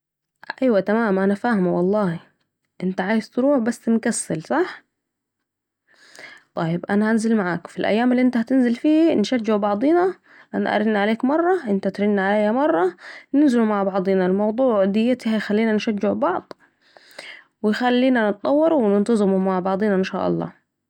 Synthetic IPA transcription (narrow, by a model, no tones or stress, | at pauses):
ʔajwat̪amaːmʔanafaːhɪmwɑlˤːɑːhi | ʔɪnt̪aʕaːjɪzt̪ɾuːħbasːmkasːɪlsˤɑħ | t̪ˤɑjːɪbʔanahanzɪlmaʕaːkfilʔa̰jːaːmɪlːiːʔɪnt̪ahat̪ɪnzɪlfiːhnʃad͡ʒːɪʕbɑʕd̪ˤina | ʔana̰ʔa̰ɾˤɪnːaʕaleːkmɑrˤːɑʔɪnt̪at̪ɾɪnːaʕalejhamɑrˤːɑnɪnzɪlumaʕbɑʕd̪ˤinalmɑwd̪ˤuːʕd̪ɪjːat̪iɦajxalːiːnanʃad͡ʒːɪʕbɑʕd̪ˤ | wɪjxalːiːnanɨt̪̚ˤt̪ˤːɑwːɑɾˤwɪnɪnt̪ɑzˤɨmumaʕbɑʕd̪ˤinɑʔɪnʃa̰ːʔɑ̰lˤːɑ̰ː